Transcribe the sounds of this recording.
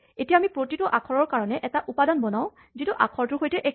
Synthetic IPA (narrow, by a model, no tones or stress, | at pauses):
etijaːmipɹotitʊʔakʰɔɹɔɹkaɹɔnɛʔɛtaʔupadanbɔnaʊ̃ | zitʊʔa̰kʰɔɹtʊɦojtɛʔɛ